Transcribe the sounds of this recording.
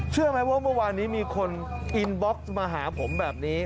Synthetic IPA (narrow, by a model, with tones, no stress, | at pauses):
t͡ɕʰɯ˥˩ɐma˦˥jwaː˥˩mɯ˥˩waː˧nːiː˦˥miː˧kʰo˧n | ʔi˧nbɔ˦˥k̚smaː˧ɦaː˩˦pʰo˩˦mbɛː˨˩p̚niː˦˥